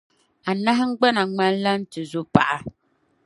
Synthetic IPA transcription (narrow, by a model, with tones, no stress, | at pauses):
a˨na˦ɦɪ˦ŋ̩˦ɡ͡ba˦na˨ŋ͡ma˦n˦la˦n̩˦tɨ˨zʊ˦pa̰˨ʔa˨